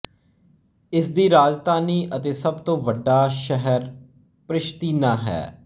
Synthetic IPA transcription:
ɪsd̪iːɾaːd͡ʒd̪aːniːʔət̪eːsəbt̪õːʋəɖːaːʃɛɦəɾ | pɾɪʃt̪iːnãːɦɛ̰ː

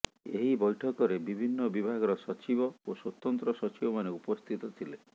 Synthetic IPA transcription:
eɦibɔjʈʰɔkɔɾebibʱinːɔbibʱaɡɔɾɔsɔt͡ʃibɔoswɔt̪ɔnt̪ɾɔsɔt͡ʃibɔmaneupɔst̪ʰit̪ɔt̪ʰile

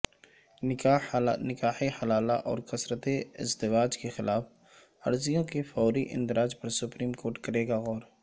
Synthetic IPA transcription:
nɪkaːħehɐlaːlaʔɔ̰ːɾkɐsɾət̪eɪ̰zd̪ɪʋaːd͡ʒkexɪlʔaːf | ɐ̰ɾzijõkefɔːɾiʔɪ̰̃nd̪ɪɾaːd͡ʒpɐɾsʊpɾiːmkoːɾʈkɐɾeːɡaɣɔːɾ

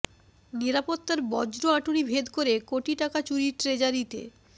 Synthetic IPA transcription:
niɾapot̪ːaɾbɔd͡ʑɾoaʈunibʱed̪koɾekoʈiʈakat͡ɕuɾiɾʈɾed͡ʑaɾit̪ḛ

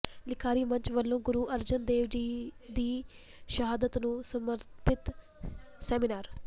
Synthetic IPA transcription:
lɪkʰaːɾiːmə̃ɲt͡ʃʋəlːõːɡʊɾuːʔəɾd͡ʒənd̪eːʋd͡ʒiːd̪iː | ʃəɦaːd̪ət̪nũːsəməɾt̪pɪt̪ | sɛːminaːɾ

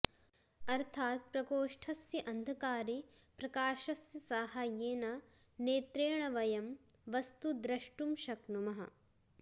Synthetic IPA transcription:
ɐɾt̪ʰaːt̪̚pɾɐkoːʂʈʰɐsjɐʔɐnd̪ʱɐkaːɾi | pɾɐkaːʃɐsjɐsaːhajeːnɐ | neːt̪ɾeːɳɐʋɐjɐmʋɐst̪ud̪ɾɐʃʈumʃɐknumɐɦɐ̰

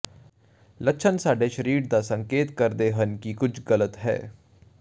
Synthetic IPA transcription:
ləkːʃʰənsaːɖeːʃəɾiːɾd̪aːsə̃ŋkeːt̪kəɾd̪eːɦənkikʊd͡ʒʰɡələt̪ɦɛ̰ː

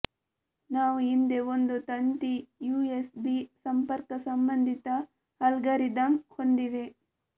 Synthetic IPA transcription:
naːʋuind̪eond̪ut̪ɐnt̪ijuːesbisɐmpɐɾkɐsɐmbɐnd̪ʱit̪ɐ | hɐlɡɐɾid̪ɐmhond̪iʋe

